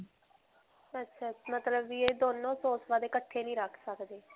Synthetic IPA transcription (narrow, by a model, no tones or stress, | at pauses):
ətːʃʰamət̪ləbːieːd̪oːnːõːsoːsʋaːd̪eːkəʈʰːeːnĩːɾəkʰsəkd̪eː